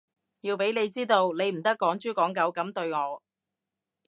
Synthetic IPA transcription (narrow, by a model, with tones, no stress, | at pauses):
jiː˧wpe˨˥jne˨˧jt͡siː˥t̪o˧wne˨˧jm̩˨˩t̪ɐ˥kːɔː˨˥ŋt͡ʃyː˥kɔː˨˥ŋkɐ˨˥wkɐ˨˥mt̪ɵ˧ɥŋɔː˨˧